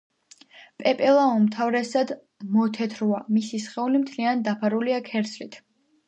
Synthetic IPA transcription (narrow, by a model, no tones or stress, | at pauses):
pʼɛpʼɛlˠaɔmt̪ʰavɾɛsad̪ | mɔt̪ʰɛt̪ʰɾuamisisχɛulimt̪ʰliand̪apʰaɾuliakʰɛɾt̪sʰlit̪ʰ